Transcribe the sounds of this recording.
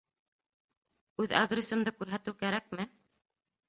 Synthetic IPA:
ʉða̰ɡ̪ɾʲesɤ̆md̪ɤkʉɾɦæt̪ɘwkæɾæk̚mɘ

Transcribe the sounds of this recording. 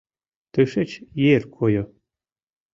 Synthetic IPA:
t̪ɨʃet͡ɕjerkʰojo

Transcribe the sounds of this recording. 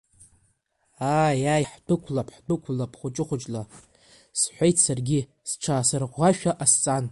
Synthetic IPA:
ajajħdʊkʷʰlapʰħdɨkʷʰlapʰχʷʊt͡ʃʼɪχʷʊt͡ʃʼla | sħʷejtʰsarɡʲɪ | sʈ͡ʂʰaːsarʁʷaʃᶣaʔast͡sʼan

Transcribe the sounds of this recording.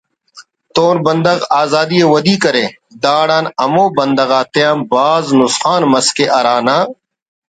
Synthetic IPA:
t̪oːnbɐnd̪ɐɣaːzaːd̪ijeːwɐd̪iːkɐɾeː | d̪aːɽãːnɐmõːbɐnd̪ɐɣaːt̪eaːmbaːznʊsxaːnmɐskeːʔɐɾaːnaː

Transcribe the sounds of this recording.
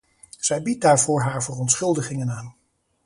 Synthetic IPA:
z̥ɛjbit̚daːɹvʊːɹɦaːɹvərɔntsχɵlˠdəχɪŋənaːn

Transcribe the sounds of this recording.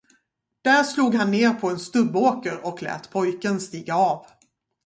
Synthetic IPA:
d̪̥æɾʂluːɡɦanːeːɾpʰɔɛnst̪ɵbːoːkəɾɔklɛ̰ːt̪pʰɔjkənst̪iːɡaɑːv

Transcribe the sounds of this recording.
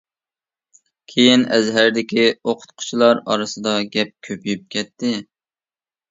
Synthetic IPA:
kʲʰejinɛzɦæɾd̪ɪkʲioqʰʊ̥t̪qʰʊ̥t͡ʃʰilˠɑɾɑɾɨsɨd̪ɑɡʲɛp̚kʲʰøpjyyp̚kʲʰɛt̪ʰːɪ

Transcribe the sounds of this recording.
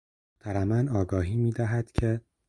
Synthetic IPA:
t̪ʰæɾæmænɒːɡɒːɦiːmiːd̪æɦæd̪̥cʰe

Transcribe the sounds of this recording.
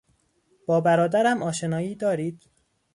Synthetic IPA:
b̥ɒːbæɾɒːd̪æɾæmʔɒːʃe̞nɒːiːd̪ɒːɾiːd̪̥

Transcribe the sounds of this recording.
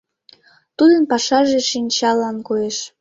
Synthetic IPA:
t̪ud̪ənpɑʃɑʒeʃinʲt͡ɕɑlːɑnkojeʃ

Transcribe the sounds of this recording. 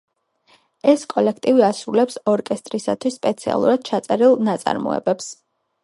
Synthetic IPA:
ɛskʼɔlɛkʰt̪ʼiviasɾulɛpsɔɾkʼɛst̪ʼɾisat̪ʰwisːpʼɛt̪sʰia̰lˠṵɾad̪̥̚t͡ʃʰat̪sʼɛɾilˠnat̪sʼa̰ɾmɔ̰ɛ̰bɛps

